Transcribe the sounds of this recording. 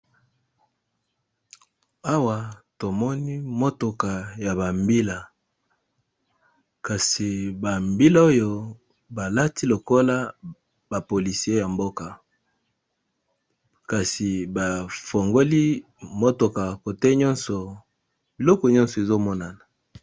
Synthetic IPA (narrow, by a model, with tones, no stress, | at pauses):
a˦wa˨to˨mɔ˦ni˦mo˦to˨ka˨ja˨ba˨mbi˦la˨ | ka˨si˨ba˨mbi˦la˦o˦jo˦ | ba˨la˦ti˦lo˨ko˦la˦ | ba˨po˨li˨si˨˦e˦ja˨mbo˦ka˨ | ka˨si˨ba˨fo˨ŋɡo˦li˦ | mo˦to˨ka˨ko˨te˦ɲɔ˦nsɔ˨ | bi˨lɔ˦kɔ˨ɲɔ˦nsɔ˨e˨zo˦mɔ˦na˨na˨